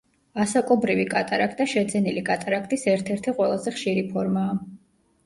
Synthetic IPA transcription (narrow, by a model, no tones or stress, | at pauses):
asakʼɔbɾivikʼat̪ʼaɾakʰt̪ʼaʃɛd̪zɛnilikʼat̪ʼaɾakʰt̪ʼisɛɾt̪ʰɛɾt̪ʰiqʼwɛlˠazɛχʃiɾipʰɔɾmaː